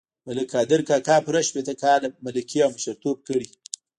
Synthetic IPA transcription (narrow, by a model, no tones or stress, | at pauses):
maləkʰɑd̪ɪɾkɑkɑpʊɾaʃpet̪əkɑlmaləkʰiawməʃəɾt̪ob̚kəɽi